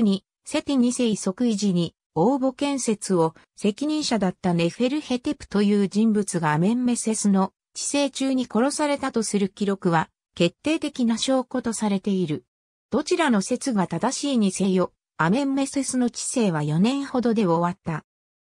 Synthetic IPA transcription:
ɲ̟i | se̞t̪eɲ̟ise̞iso̞kɯ̟iʑiɲ̟i | o̞ːbo̞kẽ̞ɰ̃se̞t͡sɨo̞ | se̞kʲiɲ̟ĩɰ̃ɕad̪at̪ːane̞ɸe̞ɾɯ̟he̞t̪e̞pɯ̟̥t̪o̞jɯ̟ːd͡ʑĩmbɯt͡sɨɡaːmẽ̞mːe̞se̞sɨno̞ | t͡ɕi̥se̞ːt͡ɕɨːɲ̟iko̞ɾo̞saɾe̞t̪at̪o̞sɨɾɯ̟kʲiɾo̞kɯ̟βa | ke̞t̪ːe̞ːt̪e̞kʲinaɕo̞ːko̞t̪o̞saɾe̞t̪e̞iɾɯ̟ | d̪̥o̞t͡ɕiɾano̞se̞t͡sɨɡat̪ad̪aɕiːɲ̟ise̞jo̞ | amẽ̞mːe̞se̞sɨno̞t͡ɕi̥se̞ːβ̞ajo̞nẽ̞ɰ̃ho̞d̪o̞d̪e̞o̞βat̪ːa

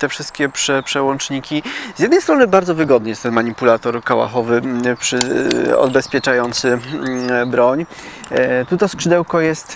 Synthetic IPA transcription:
t̪ɛfʂɘst̪̚kʲɛpʂɛpʂɛwɔnt͡ʂɲikʲiz̥jɛd̪nɛjst̪ɾɔnɘbaɾd̪zɔvɘɡɔd̪nɘjɛst̪ɛnmaɲipulat̪ɔɾkawa̰xɔvɘpʂɘɔ̰bɛspʲjɛt͡ʂajɔnt̪sɘ | bɾɔɲ | t̪ut̪ɔskʂɘd̪ɛwkɔjɛst̪

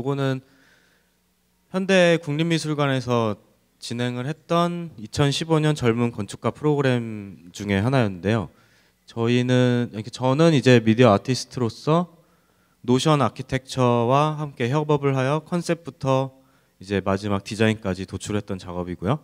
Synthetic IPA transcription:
koɡonɯn | çjʌnde̞kuŋɲimːisʰuɭɡwane̞sʰʌ | t͡ɕinɦe̞ŋɯɭɦhe̞t̚t͈ʌnit͡ɕʰʌnɕʰiboɲʌnt͡ɕʌɭmunkʌnt͡ɕʰu̥k͈̚apʰɯɾoɡɯɾe̞md͡ʑuŋe̞ɦanajʌnːɯnde̞jo | t͡ɕʌinɯnket͡ɕʌnɯnid͡ʑe̞midiʌatʰisʰɯ̥tʰɯɾos͈ʰʌ | noɕʰʌnakʰitʰe̞k̚t͡ɕʰʌwahamk͈e̞ɦjʌbʌbɯɭɦajʌkʰʌns͈ʰe̞p̚pʰutʰʌ | id͡ʑe̞mad͡ʑimak̚tid͡ʑaink͈ad͡ʑitot͡ɕʰuɾɦe̞t͈̚ʌnt͡ɕaɡʌbiɡujo

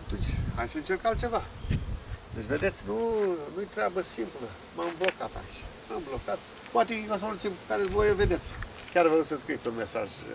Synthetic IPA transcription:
t̪ut͡ʃʲa̰ʃɨnt͡ʃerkalt̪t͡ʃe̞va | d̪et͡ʃved̪et̪sʲnunujt̪ɾeabəsimplə | mamblokat̪a̰ʃmamblo̞kat̪ | poat̪ekosmult̪simpkaɾezvojeved̪e̞t̪sʲ | kʲarvəɾusəskɾiit̪sʲunmesa̰ʒ

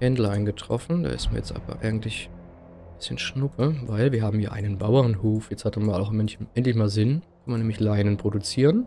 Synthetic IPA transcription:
hɛndl̩aɪnɡətʁ̥ɔ̰fn̩da̰ːʔɪ̰stma̰ɐjɛt͡stʔa̰ːbɐ̰ʔa̰ɪɡŋ̩tlɪç | b̥ɪsçənʃnʊpʰəvaɪlviːɐɦaːm̩jaːʔa̰ɪnənbaʊɐʁnhuːfjɛt͡shatanmaːlaʊxmɛnçɛntlɪçmaːlzɪnkʰanmanɛːmlɪçlaɪnənpʁ̥odut͡siːʁən

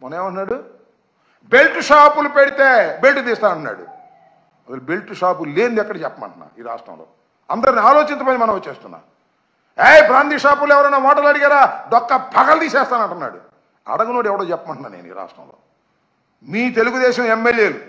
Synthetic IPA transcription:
mɔneːʋɐɳʈnːaːɽu | belʈuʂaːpulupeɽit̪eːbelʈud̪iːst̪aːnɐɳʈunːa̰ːɽṵ | ɐsɐlbe̞lʈuʂaːpule̞ːnd̪ɛkːɐɽɐt͡ʃɛpːɐmɐ̰ɳʈɐnːa̰ːiːɾa̰ːʂʈɾɐ̰mlo̰ː | ɐnd̪ɐɾɐniaːloːt͡ʃint̪ɐpɐːjnimɐnɐ̃mʋot͡ʃːeːst̪unːa̰ː | ejpɾaːnd̪iːʂaːpuluɛʋɐɾɐjnaːmaːʈɐlɐɽiɡaːɾaːɖɔkːɐbʱɐɡɐld̪iːsɛːst̪aːnɐɳʈunːa̰ːɽṵ | ɐ̰ɽɐɡunoːɽɛʋɐɽoːt͡ʃɛpːɐmɐɳʈunaːnḛːnuḭːɾa̰ːʂʈɾɐ̰mlo̰ː | miːt̪e̞luɡud̪eːʃɐ̃memːelje̞ːlu

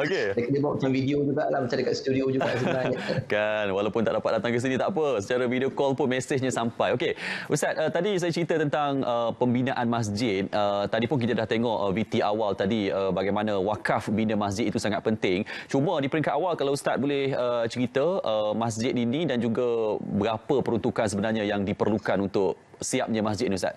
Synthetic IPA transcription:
okesakədəbaʔ̚mat͡ʃamvidiod͡ʒuɡaʔlahmat͡ʃãndəkat̪st̪udiod͡ʒuɡaʔsənakanwalawpʊnt̪aʔ̚dapat̪̚dat̪aŋkəs̬inĩt̪aʔpəsət͡ʃaɾəvidiokɔlpʊnmesɪhɲãsampajokeust̪at̪̚ət̪ːadis̬ajat͡ʃəɾit̪ət̪ənt̪aŋəpəmbinaʔanmas̬d͡ʒɪt̪̚ət̪ːadipʊnk̬it̪adaht̪eŋɔʔəvit̪iʔawalt̪adiəbaɡajmanãwakafbinəmasd͡ʒɪt̪̚it̪usaŋat̪̚pənt̪ɪŋt͡ʃumədipəɾiŋkaʔawalkalawst̪at̪̚bolɪhət͡ʃəɾit̪əəmas̬d͡ʒɪt̪inidand͡ʒuɡabəɡapəpəɾunt̪ukans̬əbənarɲãjaŋdipərlukanunt̪ʊk | siap̚ɲəmasd͡ʒɪt̪niust̪a̰t̪̚

